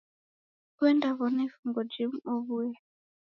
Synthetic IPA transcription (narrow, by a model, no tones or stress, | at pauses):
kuɛndaβɔnɛfuŋɡɔd͡ʒimɔβujɛ